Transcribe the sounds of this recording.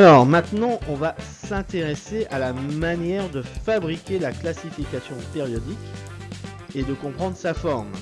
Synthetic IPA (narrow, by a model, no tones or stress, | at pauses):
alɔːʁmɛ̃t̪nɑ̃ʔɔ̃vasɛ̃t̪eʁesealamanjɛʁd̪əfabʁikʲelaklasifikasjɔ̃peʁjɔd̪ik | ed̪əkɔ̃pχɑ̃d̪ʁəsafɔʁm